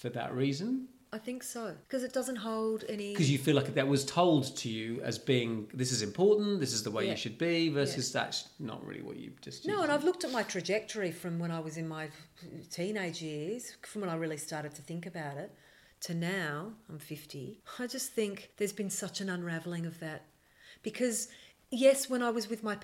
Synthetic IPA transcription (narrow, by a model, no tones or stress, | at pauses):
fə˞ðə̰ʔɹizɨ̃n | aɪθɪ̃ŋksoʊ̥kʰʌzɨt̚d̥ʌzə̃ntɦoʊlˠdɛnikʰʌzjɨfilaɪkðɨt̚wʌz̥tʰoʊlˠdtʰɨjʉɨ̰zbiɪ̃ŋðɪsɨzɨ̃mpʰɔɹʔn̩ðɪsɨzðəweɪjɨʃɨd̚bivɜ˞sɨzðæ̰tsnə̰ʔ̚ɹɪ̰lˠḭwʌ̰t͡ʃɨ̰d͡ʒʌsnoʊə̃naɪvlʊk̚tɨt̚maɪtʰɹ̥ɨd͡ʒɛk̚tʰə˞ifɹʌ̃mwə̃ɾ̃aɪwʌzɨ̃nmaɪtʰĩneɪd͡ʒjɪɹz̥fɹʌ̃mwə̃naɪɹɪlˠistɑɹɾɨd̚tʰɨθɪ̃ŋkɨbaʊɾɪt̚ʰ | ɨnaʊãɪ̃ɱfɪftiaɪd͡ʒʌst̪θɪ̃ŋkðə˞zbɨ̃nsʌt͡ʃɨ̃nə̃nɹævl̩ˠɪ̃ŋʌvðɨt̚ | b̥ɨkʰʌz | jɛswə̃ɾ̃aɪwʌzwɨðmaɪ